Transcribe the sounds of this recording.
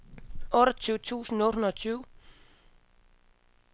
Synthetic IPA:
ɔ̽ːɾɒt͡sʰyːʊt͡sʰṵːsn̩ɔ̽ːd̥hunɐt͡sʰyːʊ

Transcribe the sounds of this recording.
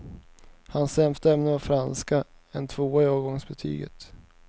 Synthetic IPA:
hansːɛmt̪əɛmnəavfɾanska | ɛnt̪ʰvoːaoːɡɔŋsbɛt̪ʰy̰ːɡə̰t̪

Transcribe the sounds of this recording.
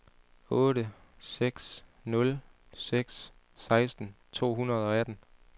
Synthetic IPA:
ɔ̽ːɾəseɡ̥snɔ̽l | seɡ̥s | sɑ̈ɪsd̥n̩t͡sʰo̝̰ːɦunɐð̞̩ˠɒ̽æd̥n̩

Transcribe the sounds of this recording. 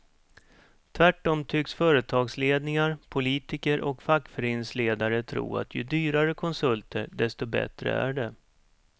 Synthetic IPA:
t̪ʰvæʈːɔmt̪ʰʏksfœːɾət̪ʰɑːɡsleːd̪nɪŋaɾpʰʊliːt̪ɪkəɾʔɔkfakːfœɾeːnsleːd̪aɾət̪ʰɾṵːa̰t̪ʰjɵ̰d̪yːɾaɾəkʰɔnsɵlt̪əɖɛst̪ɔbɛ̰t̪ɾə̰æ̰ɖɛ

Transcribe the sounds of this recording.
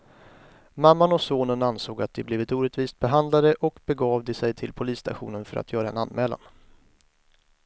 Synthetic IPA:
mamːanɔsoːnənansoːɡat̪̚d̪ɛbliːvɪt̪uːɾɛt̪viːst̪̚bɛɦand̪lad̪əʔɔkbɛɡɑːvd̪ɛsɛjt̪ʰɪlpʰʊliːst̪ʰa̰ɧṵːnənfœɾʔa̰t̪ʰjœːɾaɛ̰nanːmɛːla̰n

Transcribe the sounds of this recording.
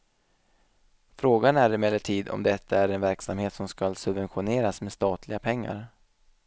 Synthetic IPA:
fɾoːɡanæɾɪmɛlːəʈʰiːd̪ɔ̰md̪ɛt̪ʰːaæɾɛnvæɾksamheːt̪sɔmskalsɵbvɛnɧʊneːɾasmest̪ɑːt̪ʰlɪɡapʰɛŋːa̰ɾ

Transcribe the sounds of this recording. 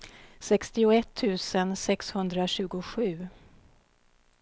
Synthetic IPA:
sɛkst̪ɪʊɛt̪ʰːʉ̟ːsənsɛkshɵnd̪ɾaɕʉ̟ːɡʊɧʉ̟ː

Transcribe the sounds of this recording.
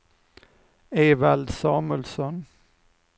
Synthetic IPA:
eːvald̪sɑːmʉlsɔn

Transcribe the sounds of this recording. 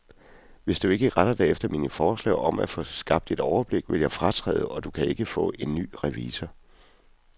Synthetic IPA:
ʋe̝sd̥ue̝ɡ̥əʁaɾ̥ɐd̥ɛ̰efd̥ɐminəfɒːslɛ̰ɪʔɒ̽mæfɔ̽sɡ̥ɑ̈b̥̚d̥e̝d̥ɒʊɐb̥le̝ɡ̥ʋe̝ljɑ̈ɪfʁɑ̈t͡sʰʁɛ̰ːð̞ˠɒ̽d̥ukʰæe̝ɡ̥əfɔ̰̽ːe̝nːy̰ːʁɛʋiːsɐ

